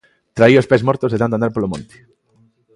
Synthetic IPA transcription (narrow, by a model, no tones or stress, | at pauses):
t̪ɾaiospezmoɾt̪ozðetãnoand̪aɾpolomõnt̪e̥